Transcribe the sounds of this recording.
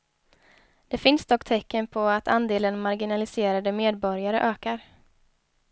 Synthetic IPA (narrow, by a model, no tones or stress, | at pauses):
d̪̥ɛfɪnsd̪ɔkːt̪ʰɛkːənpʰɔat̪ʰand̪eːlənmaɾɡɪnalɪseːɾad̪əmeːd̪̚bɔɾjaɾə̰ʔøːkaɾ